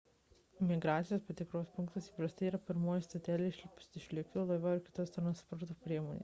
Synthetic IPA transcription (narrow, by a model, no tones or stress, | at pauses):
mʲɪɡɾaːt̪sʲɪjoːspɐt̪ʲɪkɾoːspʊŋkt̪ɐsiːpɾɐst̪ɐɪiːɾɐpʲɪɾmoːjst̪ot̪ʲæːlʲeʃʲlʲpʊsɪʃʲlʲɪkʲt̪ʲolˠɐʋʲɛɪɾkʲɪ̥t̪ɔst̪ɾɐnspɔɾt̪oːpʲɾʲiɛmoːnʲḛːs